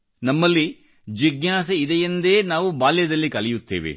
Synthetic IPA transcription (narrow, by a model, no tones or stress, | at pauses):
nɐmːɐlːi | d͡ʒiɡjaːsɐid̪ɛjɐnd̪e̞ːnaːʋubaːljɐd̪ɐlːikɐlɛjut̪ːḛːʋḛ